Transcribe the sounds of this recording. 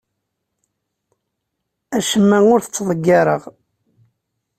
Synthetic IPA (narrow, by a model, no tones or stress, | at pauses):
æʃəmːæʊɾθət͡sːðˤəɡːɑɾˤəʁ